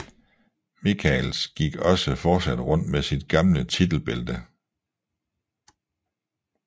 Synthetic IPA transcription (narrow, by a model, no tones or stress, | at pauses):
mikʰɛlsɡ̥iɡ̥ɒ̽səfɒ̥ːsæd̥ʁɔ̽n̰d̥mesid̥ɡ̥ɑ̈mlət͡sʰid̥l̩b̥e̝ld̥ə